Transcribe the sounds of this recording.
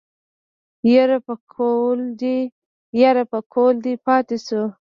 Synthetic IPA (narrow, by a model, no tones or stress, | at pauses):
jeɾapəkʰold̪i | jaɾapəkʰold̪ipɑt̪esu